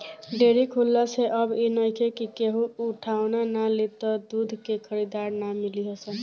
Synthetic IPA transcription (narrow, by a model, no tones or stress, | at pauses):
ɖeɾikʰɦulːaseʔəbinəjkʰekikeɦũuʈʰawnanalet̪ɔd̪ud̪ʱkekʰəɾid̪aɾnamiliɦəsə